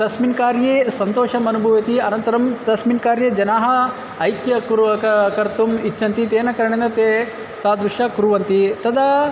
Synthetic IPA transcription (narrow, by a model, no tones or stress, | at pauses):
t̪ɐsminkaːɾjeːsɐnt̪oːʃɐmɐnubʱɐʋjɐt̪iɐnɐnt̪ɐɾɐmt̪ɐsminkaːɾjed͡ʒɐnaːɦɐ | ɐjkjɐkɾɐkɐkɐɾt̪umit͡ʃːʰɐnt̪it̪eːnɐkɐɾɐɳend̪ɐt̪eː | t̪aːd̪ɾuʃɐkuɾuʋɐnt̪it̪ɐd̪ɐ